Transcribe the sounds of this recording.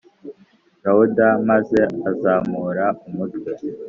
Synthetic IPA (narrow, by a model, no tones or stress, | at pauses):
ɾawudamaze̞azaːmuːɾaumutwe